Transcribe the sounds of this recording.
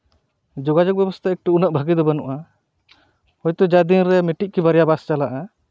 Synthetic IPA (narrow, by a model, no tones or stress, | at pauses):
d͡ʒɔɡad͡ʒɔk̚bɛbɔst̪ʰaɛk̚ʈuunaʔbʱaɡid̪ɔbanɔʔa | hɔjt̪ɔd͡ʒad̪inɾɛmiʈiʔ̚kibaɾjabast͡ʃalaʔa